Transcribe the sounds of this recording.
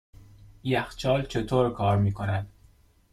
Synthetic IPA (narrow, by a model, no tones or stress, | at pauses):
iːæxt͡ʃʰɒːlt͡ʃʰet̪ʰoːɾkʰɒːɾmiːkʰonæd̪̥